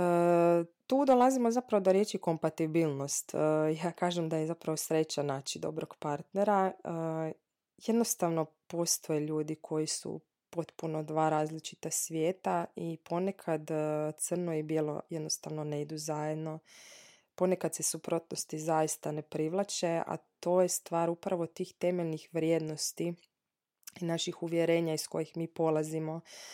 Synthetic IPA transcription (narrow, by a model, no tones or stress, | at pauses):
ət̪uːd̪o̞lˠazimozapɾaʋo̞d̪oɾje̞t͡ʃiko̞mpat̪ibilˠno̞st̪əjaːkaːʒemd̪ajezapɾaʋosɾe̞t͡ɕanaːt͡ʃid̪o̞̰bɾoɡpaɾt̪neɾaə | je̞d̪no̞st̪aʋno̞po̞st̪ʰojeʎuːd̪ikʰo̞jisṵ | po̞t̪puno̞d̪ʋaːɾaːzlit͡ʃi̥t̪asʋjeːt̪aipʰo̞nekʰad̪t̪sər̩nojebilˠo̰je̞d̪nost̪aʋnoneid̪uzajed̪no̞ | po̞nekad̪sesupɾot̪nost̪izajist̪anepɾiʋlˠat͡ʃea̰t̪o̞ːjest̪ʋaːɾupɾaʋo̞t̪iːxt̪e̞me̞ʎnixʋɾjeːd̪no̞st̪i | inaʃixuʋjeɾeːɲaisko̞̰jixmiːpo̞lˠazimo̞